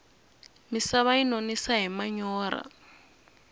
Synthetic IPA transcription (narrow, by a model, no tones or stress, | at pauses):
misaβainonisaɦimaɲɔːɾa̰